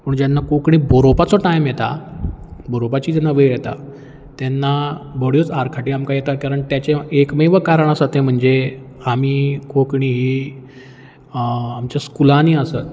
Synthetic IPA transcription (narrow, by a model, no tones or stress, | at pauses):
pəɳd͡ʑjanːakokɳiːboɾopat͡sɔʈajmjet̪a̰ | boɾopat͡ɕiːd͡ʑanːaʋəjjet̪a̰ | t̪janːabʱoɽijot͡saɾkʰaʈiːamkajet̪akaɾəɳt̪jat͡ɕeekmiʋəkaɾəɳ̃əsət̪ẽm̤əɳd͡ze | amiːkokɳiːɦiː | amt͡ɕaskulaniəsət̪̚